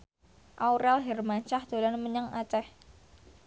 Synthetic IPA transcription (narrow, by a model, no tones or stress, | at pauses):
ʔawɾɛlɦɛrmaɲt͡ʃahd̪̥o̤lanməɲəŋat͡ʃɛh